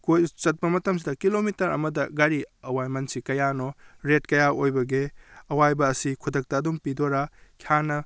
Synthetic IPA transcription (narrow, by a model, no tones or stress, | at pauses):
kojt͡ʃɐt̚pɐmɐtɐmsidɐkilomitɐɾɐ̰mɐdɐɡaɾiɐwajmɐnsikɐjanoɾetkɐjaʔojbɐɡeɐwajbɐːsikʰudɐk̚tɐːdumpidoɾakʰijanɐ